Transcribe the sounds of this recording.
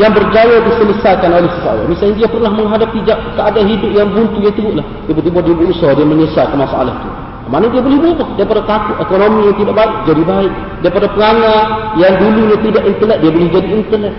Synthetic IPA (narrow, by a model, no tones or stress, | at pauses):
jaŋbərd͡ʒajadisələsakanolɛhsəsaa̰la̰misalɲadiapərnahməŋɦadapid͡ʒaʔkəadaɦidʊp̚jaŋbunt̪ujat̪ubuʔlahdiabut̪ibuaʔ̚diabuusɔdiaməɲəsakəmasaʔa̰la̰ht̪u | amanadiabolɛhbuʔahdaɾipadat̪akʊt̪ekonomijaŋt̪idaʔbaɪʔd͡ʒadibaɪk̚ | daipadapəŋaŋanjaŋdulunat̪idaʔint̪əlɛt̪̚diabolɛhd͡ʒadiːnt̪əlɛt̪̚